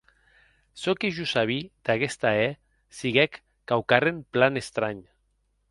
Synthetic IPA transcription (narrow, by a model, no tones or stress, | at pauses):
sokiʒusaβ̞id̪aɣest̪ae | siɣekː | awkaremplanest̪ɾaɲ